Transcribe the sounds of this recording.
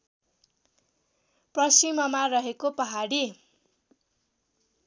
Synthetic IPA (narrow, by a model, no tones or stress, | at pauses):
prʌsimʌmarʌɦekopʌɦaɽi